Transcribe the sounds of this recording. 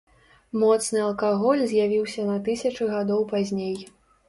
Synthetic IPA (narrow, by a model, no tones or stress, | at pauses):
mɔt̪snɨɐlˠkaɣɔlʲzʲjavʲiwsʲɐnɐt̪ɨsʲɐt͡ʂɨɣad̪ɔwpazʲnʲej